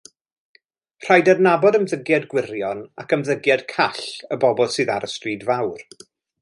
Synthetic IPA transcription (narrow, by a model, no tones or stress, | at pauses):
r̥ajdadnabɔdəmðəɡjadɡwɪɾjɔna̰kəmðəɡjad̥kʰaɬəbɔbɔlˠsɨːðaɾəstriːdvawr